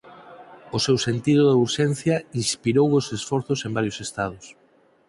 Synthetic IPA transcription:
ʊsewsent̪iðʊðeuɾʃenθjɐinspiɾowosesfɔɾθʊsembaɾjosest̪að̞ʊs

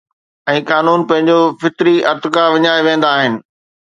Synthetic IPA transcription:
ɛ̃ːkaːnuːnpɐ̃ɦɪ̃ɲd͡ʑofɪt̪ɾiʔɐɾt̪ʊkaʋɪɲaːeʋẽːn̆d̪aːɦɪnɪ̆

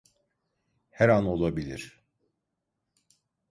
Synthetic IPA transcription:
hɛɾano̞lˠabilʲḭɾ̥

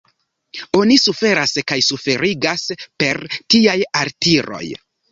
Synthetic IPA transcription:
o̞nisufe̞ɾaskajsufe̞ɾiɡaspe̞ɾtiajaɾtiɾo̞̰j

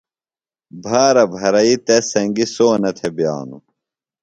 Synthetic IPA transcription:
bʱaːɾɐbʱɐɾɐit̪esɐŋɡisoːnɐt̪ʰebja̰ːnṵ

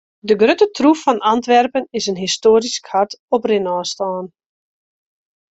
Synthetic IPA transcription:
dəɡrøtətʰrufɔnʔantʋɛrpənɪsənɦistoːɾiskʰatɔprɪnɔːstaːn

